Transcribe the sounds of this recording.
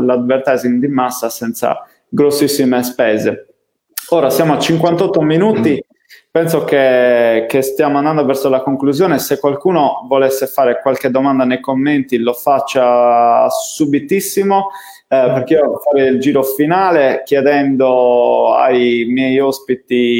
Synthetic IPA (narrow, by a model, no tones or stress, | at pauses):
lad̪bert̪ɛzimd̪imasːasɛnt̪sa̰ | ɡɾosːisːimespɛːze | ɔːɾasjaːmoat͡ʃiŋkwant̪ɔt̪ːominuːt̪i | pɛnsokekest̪jamoãnd̪and̪ovɛrsolakoŋkluzjɔːnesekːwalkuːnovɔlesːefaːɾekwalked̪ːɔmand̪anejkomːent̪ilofat͡ʃːa | subit̪isːimo | perk̟eifaːɾeild͡ʒiːɾofinaːlek̟jɛd̪ɛnd̪oa̰jmjɛjɔspit̪i